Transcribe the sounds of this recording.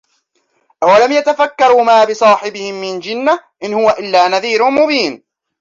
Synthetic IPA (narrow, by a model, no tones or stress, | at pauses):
ʔawalamjat̪afakːɑɾˤuːmaːbɪsˤɑːħɪbɪhɪmːɪnd͡ʒɪnːaʔɪnhʊwaʔɪlːaːnaðiːɾʊmʊbiːn